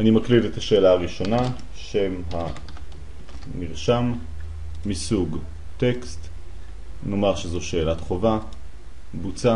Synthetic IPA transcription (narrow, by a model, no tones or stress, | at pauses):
animaklidetaʃe̞ːlaaʁiʃo̞na | ʃe̞mɦa | niʁʃamː | isuɡ | tekst̪ | no̞maʁʃezo̞ʃe̞ːlatχo̞va | but͡sa